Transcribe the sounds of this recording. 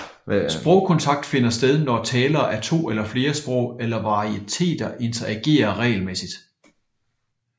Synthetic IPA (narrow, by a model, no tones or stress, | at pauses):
sb̥ʁɔ̽ʊkʰɒ̽nt͡sʰɑ̈ɡ̥̚d̥fe̝nɐsd̥eð̞ˠnɒt͡sʰɛːlɐːʔæt͡sʰo̝̰ːelɐfle̝ːɐsb̥ʁɔ̽ʊ̰elɐʋɑ̈iet͡sʰe̝̰ːd̥ɐʔe̝nt͡sʰɐæɡ̥e̝̰ːɐʁɛ̰ːɪlmesid̥